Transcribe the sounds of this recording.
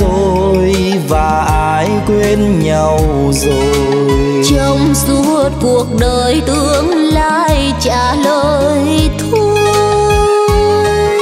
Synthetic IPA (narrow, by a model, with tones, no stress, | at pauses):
o˧ | j | vaː˨˩ʔaː˧jkwe˧nɲa˧˩w | zo˨˩ | j | t͡ɕə˧wŋ͡msu˧˦˨t̚ku˨˩ək̚ɗəː˨˩jt̪ɨ˧˨əŋlaː˧˨j | t͡ɕaː˧˩ləː˧˨jt̪ʰu˧